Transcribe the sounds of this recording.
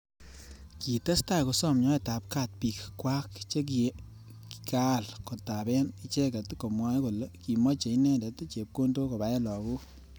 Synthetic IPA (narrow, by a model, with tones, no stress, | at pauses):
ki˨te˦sta˦˨ko˨sɔ˦˨mɲɔ˦e˨ta˨p̚ka˦˨t̚pi˨kkwa˦kt͡ʃe˦k̬ | ki˨ka˦˨lko˨ta˨bɛ˦ni˦t͡ʃe˦ka˨tko˨mwa˦ko˨le˦ki˨mɔ˦t͡ʃe˨i˦nɛ˦ndɛ˨tt͡ʃe˨p̚ko˦nto˦ko˨ba˨jɛ˦lɔ˨ku˦